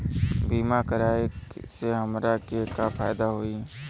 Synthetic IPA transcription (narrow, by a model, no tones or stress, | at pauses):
biːmakəɾaːeseɦəmɾakekafʰaːjd̪aɦoːi